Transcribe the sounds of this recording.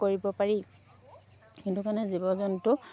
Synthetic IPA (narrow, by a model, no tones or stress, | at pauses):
koɹibɔpaɹi | kintukanɛzibɔzɔntʊ